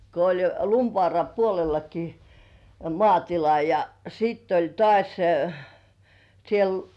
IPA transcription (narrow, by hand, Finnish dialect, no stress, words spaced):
ko olʲ jo lumʋŏɑˑrɑ puolelːɑki m mŏɑˑtilɑ jɑ siːtː olʲ tŏɑˑsʲ siel